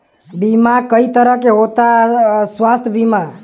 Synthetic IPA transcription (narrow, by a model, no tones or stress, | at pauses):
bimakəit̪əɾəɦkeɦot̪aswast̪ʰəbima